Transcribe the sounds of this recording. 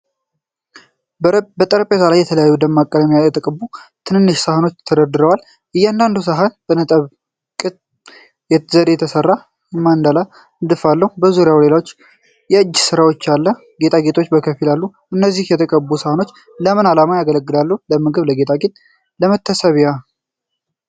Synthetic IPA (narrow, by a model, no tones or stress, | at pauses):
bət̪ʼəɾpʼezalajːɛt̪ʰələjajːud̪əmːakʼːələmejaɛt̪ʰʼəkʼəbut̪ʰɨnɨnːɨʃsahəno̞t͡ʃːt̪ʰəd̪əd̪ɨɾəwal | ʔɨjːand̪and̪us̬aɦanbənət̪ʼəβ | kʼɨt̪ʼ | jɛzəɾejɛt̪ʰəsərːa | mːand̪ala | ɨnd̪ɨfalːəhubəzuɾɪjawle̞lawot͡ʃː | jɛɨd͡ʒːsɨɾawot͡ʃːalːə | ɡe̞t̪ʼaɡe̞t̪ʰot͡ʃːbəkʰəfilalːuʔɨnːəzːihjɛt̪ʰəkʼəbːusahəno̞t͡ʃː | ləmɨnalamajaɡələɡːɨlalːəhuləmɨɡɨβləɡe̞t̪ʼaɡet̪ʼ | ləmət̪ʰːəsəβja